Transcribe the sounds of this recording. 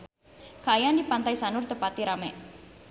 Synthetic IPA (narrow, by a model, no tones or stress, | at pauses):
kajandipant̪ajsanʊrt̪əpat̪iɾamɛʔ